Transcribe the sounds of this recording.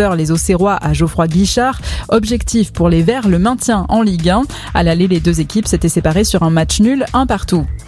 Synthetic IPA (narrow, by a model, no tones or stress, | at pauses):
œʁlezoseʁwaʔaʒofχwaɡʲiʃaʁɔbʒɛkt̪ifpuʁlevɛʁləmɛ̃t̪jɛ̃ʔɑ̃liɡɛ̃ | a̰laleled̪øzekʲipset̪ɛsepaʁesyʁɛ̃mat͡ʃnylɛ̃paʁt̪u